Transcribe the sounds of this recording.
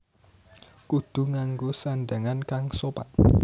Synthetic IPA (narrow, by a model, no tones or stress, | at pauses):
kud̪̥ṳŋaŋɡosanɖaŋankaŋsopa̰t̪̚